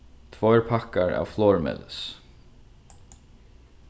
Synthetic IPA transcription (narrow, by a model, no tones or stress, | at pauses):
t̪ʰvɔjɹpʰakaɹa̰ːwflɔːɹmɛ̰ːlɪ̰s